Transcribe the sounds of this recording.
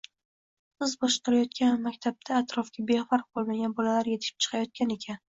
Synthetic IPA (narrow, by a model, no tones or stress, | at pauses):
sɨzbɒʃqɑɾajɒt̪̚kʲʰanmakʲt̪ʰab̚t̪ʰaːt̪ɾɒfkʲʰabe̞faɾq̚bolˠmaɡʲanbɒlalaɾje̞t̪ʰɪ̥ʃɪ̥p̚t͡ʃʰɨ̥qʰɑjɒt̪̚kʲane̞kʲʰan